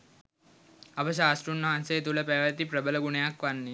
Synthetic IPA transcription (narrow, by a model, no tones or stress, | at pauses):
abəɕ̬aːsʈunːɔɦãnset̪ulapɛʋat̪iːpɾəbələɡuɳjakʋanːi